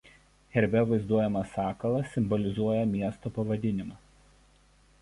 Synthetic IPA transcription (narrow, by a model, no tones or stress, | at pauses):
xʲɛɾʲbʲɛʋɐɪzd̪uɔjɛmɐsɑːkɐlˠɐsʲɪmbɔlʲɪzuɔjɛmʲiɛst̪oːpɐʋɐd̪ʲɪnʲɪmɑː